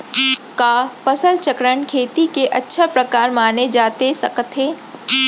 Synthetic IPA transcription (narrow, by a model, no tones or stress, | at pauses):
kaːpɐsəlt͡ʃəkɾəɳkʰeːt̪ikeʔɐtːʃʰapɾɐkaːɾmaːned͡ʒaːt̪esɐ̰kət̪ɦeː